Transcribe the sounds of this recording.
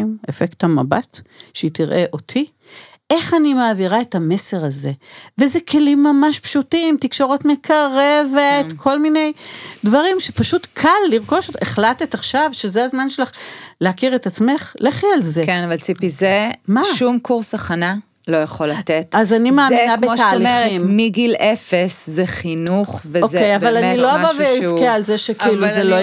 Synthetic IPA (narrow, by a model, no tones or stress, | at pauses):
jmefekt̪hama̰batʃeitiʁʔe̞ʔo̞t̪ʰi | ʔe̞χanimaːviʁaetame̞se̞ʁaze̞vezekʰe̞limːamaʃpʃutimtikʃo̞ʁotme̞kʰaʁe̞vetkʰo̞lmine̞jdvɐʁimʃepaʃutkʰalːiʁko̞ʃoeχlatetaχʃavʃezeazmanʃelaχleakiʁetat͡sme̞χleχalzekenavalt͡sipizemaʃumkuʁsaχana | lo̞jaχolatetazanimaːminabeoaːlieʁimmiɡilefeszeχinuχveokejavalanilloavaveifkeaːlzeʃekiiluzelo